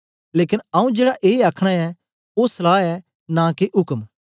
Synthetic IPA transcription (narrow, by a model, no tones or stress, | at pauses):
leːkɪnɐũd͡ʒeːɽaʔeːaːkʰɽ̃aɛ | osɐlaːɛ | nãkeʔʊkəm